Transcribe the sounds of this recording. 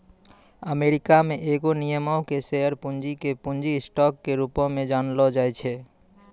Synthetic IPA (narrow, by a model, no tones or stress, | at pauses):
əmeɾikameʔeɡonijəmɔʊkesejəɾpund͡ʒikepũnd͡ʒisʈɔkːeɾupɔmed͡ʒanlɔd͡ʒajt͡ʃʰe